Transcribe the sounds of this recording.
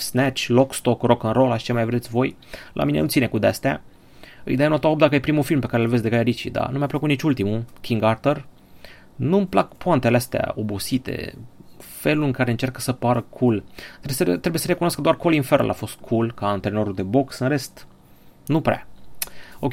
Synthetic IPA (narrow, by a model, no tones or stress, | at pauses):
snɛt͡ʃlokst̪okrokɨnɾo̞laʃi̥t͡ʃemajvɾet̪sʲvo̞j | lʔa̰minenut̪sine̞kud̪ea̰st̪ea̰ | ɨ̰jd̪ejanot̪oop̚d̪akəjepɾimufilmpe̞kaɾelvesd̪eajeɾit͡ʃḭd̪a̰numajapləkut̪nit͡ʃult̪imukʰʲiŋɡart̪ər | numplakpoant̪eleast̪ea̰o̞busit̪e̞̰ | fe̞lulɨŋkaɾe̞ɨnt͡ʃerkə̥səpaɾəkʰulɾesət̪ɾe̞buje̞səɾe̞kunoaskəd̪oarkolinfeɾ̰lʔa̰fo̞st̪̚kʰulkaːnt̪ɾenoɾuld̪e̞bo̞ksɨnre̞st̪ | nupɾea̰ | okʲe